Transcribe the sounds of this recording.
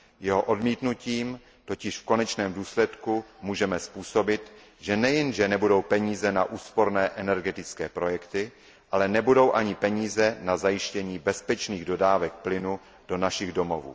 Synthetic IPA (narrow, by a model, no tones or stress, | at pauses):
jɛɦo̞ʔo̞dmiːt̪nuciːm | t̪o̞cɪʃfko̞nɛt͡ʃnɛːmduːslɛt̪kumuːʒɛmɛspuːso̞bɪt̪ | ʒɛnɛjɛnʒɛnɛbudo̞wpɛɲiːzɛnaʔuːspo̞ɾnɛːʔɛnɛɾɡɛt̪ɪt͡skɛːpɾo̞jɛkt̪ɪ | ʔalɛnɛbudo̞wʔaɲɪpɛɲiːzɛnazajɪʃcɛɲiːbɛspɛt͡ʃniːɣdo̞daːvɛk̚plɪnu | d̥o̞naʃɪɣdo̞mo̞vṵː